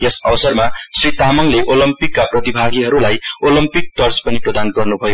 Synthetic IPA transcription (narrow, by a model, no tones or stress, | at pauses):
jesʌbʌsʌrmasrit̪amʌŋleʔolʌmpikːaprʌt̪ibʱaɡiɦʌɾulajolʌmpik̚t̪ʌrspʌniprʌd̪anɡʌrnubʱʌjo